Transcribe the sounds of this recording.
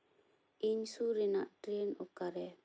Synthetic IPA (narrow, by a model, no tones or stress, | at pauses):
iɲsuɾɛna̰ʔtɾinukaɾɛ